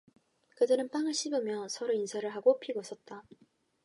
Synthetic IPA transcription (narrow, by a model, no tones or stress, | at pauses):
kɯdɯɾɯnp͈aŋɯɭɕʰibɯmjʌsʰʌɾoinsʰaɾɯɭɦaɡopʰiɡosʰʌt̚t͈a